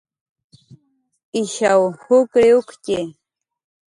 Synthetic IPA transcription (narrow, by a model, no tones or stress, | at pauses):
ɪʃawhʊkɾɪʊkce